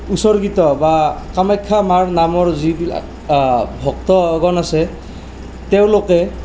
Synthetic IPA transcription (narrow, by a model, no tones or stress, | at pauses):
usɔɹɡitɔbakamajkʰːamaɹnamɔɹzibila̰k | bʱɔk̚tɔɡɔnasɛ | tɛʊ̃lokɛ